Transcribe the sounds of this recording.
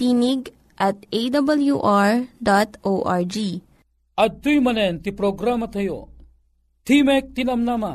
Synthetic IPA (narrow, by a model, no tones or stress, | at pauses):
t̪iniɡ | ʔat̪̚ed̪ɐbɐljuʔaɹd̪at̪ʔoːʔaɹd͡ʒi | ɐt̪ːujmɐnent̪ipɾoːɡɾamɐt̪ʰɐjo̰ | t̪ʰimek̚t̪inɐmnaːma